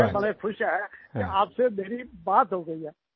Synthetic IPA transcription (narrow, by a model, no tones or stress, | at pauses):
ebɐlekʰʊʃaɦɛkeaːpsemeːɾibaːt̪ɦoɡəiɦɛː